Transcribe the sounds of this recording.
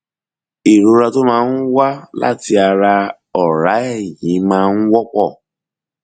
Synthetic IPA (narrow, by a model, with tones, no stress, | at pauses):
i˨ɾo˨ɾa˧to˦mãː˦˧n̩˦wa˦la̰˦˨ti˧a˧ɾa˧ | ɔ˨ɾa˨˦ɛ˦˨jĩ˨˦mãː˦˧n̩˦wɔ˦k͡pɔ˦˨